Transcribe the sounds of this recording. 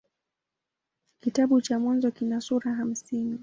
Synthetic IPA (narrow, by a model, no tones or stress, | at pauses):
kitaɓut͡ʃamwanzɔkinasuɾaɦam̩sini